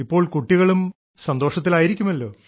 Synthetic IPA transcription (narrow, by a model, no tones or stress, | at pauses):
ipːo̞ːɭkuʈːiɣɐɭum | sɐnd̪o̞ːʂɐt̪̬ːilaːjiɾikʲːumɐlːo̞ː